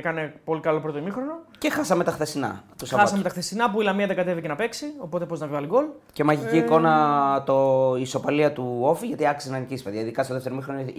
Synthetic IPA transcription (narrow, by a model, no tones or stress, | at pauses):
ekɐne̞po̞likɐlo̞pɾo̞t̪oimixɾo̞noce̞xɐsɐme̞t̪ɐxθesinɐ̰t̪usɐɐsɐme̞t̪ɐxθesinɐpuilɐmiɐðeɡɐt̪e̞vice̞nɐpe̞ksio̞po̞t̪e̞po̞znɐvivɐliɡo̞l | ce̞mɐʝiciːko̞nɐt̪oiso̞pɐliɐt̪uofiʝɐt̪iɐksinɐnicispeðɐiðikɐst̪oðefteɾoimixɾon